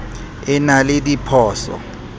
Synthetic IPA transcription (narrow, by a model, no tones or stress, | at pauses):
ɪnalɪdipʰɔːsɔ̰